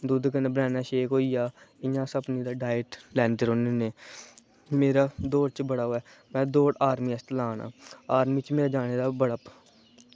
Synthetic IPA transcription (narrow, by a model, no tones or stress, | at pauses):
d̪uːd̪kənebəɾɛ̃ːnaːʃeːkɦoːiːjaːɪjãːsəpniːd̪aːɖaːjəʈlɛ̃ːnd̪eːɾõːneːneː | meːɾaːd̪oːɽt͡ʃəbəɽaːɦoːɛː | mɛ̃ːd̪oːɽaːɾmiːəst̪laːna̰ːaːɾmiːt͡ʃmeːɾaːd͡ʒaːneːd̪aːbəɽap